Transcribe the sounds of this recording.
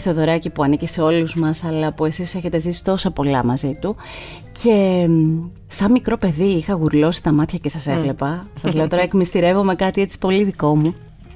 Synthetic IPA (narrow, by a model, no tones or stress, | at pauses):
θeoðo̞ɾɐcipuɐniciseo̞luzmɐsɐlɐpue̞sise̞çe̞t̪e̞zisi̥t̪o̞sɐpo̞lɐmɐzit̪u | cʰe̞ | sɐnmikɾo̞pe̞ðiixɐɣuɾlo̞si̥t̪ɐmɐt̪çɐcesɐse̞vle̞pɐsɐzle̞o̞t̪o̞ɾɐekmist̪iɾe̞vo̞me̞kɐt̪ie̞t͡si̥po̞liðiko̞mu